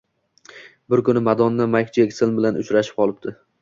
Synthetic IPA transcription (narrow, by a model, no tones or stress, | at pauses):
bɪɾkʊnɪmad̪ɒnːamakʲt͡ʃekʲsɪlbɪlanʔʊt͡ʃɾaʃɪ̥p̚qʰɒlˠɪp̚d̪ɪ